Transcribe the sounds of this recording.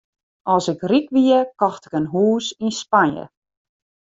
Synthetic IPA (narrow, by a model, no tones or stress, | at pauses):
ɔsɪkrikʋiəkɔxtɪ̥kənɦuːsinspanjə̰